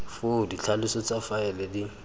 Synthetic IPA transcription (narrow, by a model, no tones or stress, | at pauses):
fʊdit͡ɬʰalɪsɔt͡sʼafaɛlɛdi